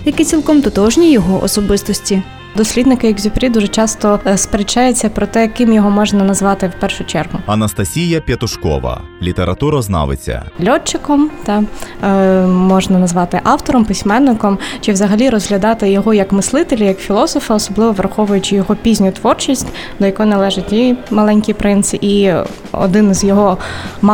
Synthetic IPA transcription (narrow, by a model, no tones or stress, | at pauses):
jɐkɪt͡sʲilˠkɔmt̪ʊt̪ɔʒnʲijɔɦɔʔɔ̰sɔbɪst̪ɔsʲtʲi | d̪ɔsʲlʲid̪nɪkɪjɐɡzʲʊpɾʲid̪uʒɛt͡ʃɑst̪ɔspeɾet͡ʃɑjʊt͡sʲːɐpɾɔt̪ɛjɐkɪmjɔɦɔmɔʒnɐnɐzʋɑt̪ɪwpɛrʃʊt͡ʃɛrɦʊɐnɐst̪ɐsʲijɐpʲjɐt̪ʊʃkɔ̰ʋɐ̰ | lʲit̪eɾɐt̪uɾɐznɑ̰ʋɪ̰t͡sʲːɐ̰lʲɔt͡ʃːɪkɔmt̪ɑ | mɔʒnɐnɐzʋɑt̪ɪʔɑwt̪ɔɾɔmpɪsʲmɛnːɪkɔmt͡ʃɪʋzɐɦɐlʲiɾɔzɦlʲɐd̪ɑt̪ɪjɔɦɔjɐkmɪslˠɪt̪elʲijɐkfʲilˠɔsɔfɐɔsɔblˠɪʋɔʋɾɐxɔʋʊjʊt͡ʃɪjɔɦɔpʲizʲnʲʊt̪ʋɔrt͡ʃisʲtʲ | d̪ɔjɐkunɐlˠɛʒɪt̚ʲimɐlˠɛnʲkʲijpɾɪnsɪʔi | ɔ̰d̪ɪnzʲjɔɦɔm